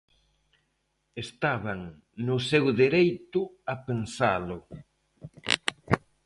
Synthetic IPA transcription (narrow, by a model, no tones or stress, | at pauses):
est̪aβaŋ | nʊsewðeɾejt̪ʊapensalʊ